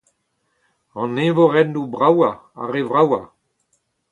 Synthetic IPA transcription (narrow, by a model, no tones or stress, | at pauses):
ɑ̃nevoʁɛndubʁawa | a̰ʁevʁawa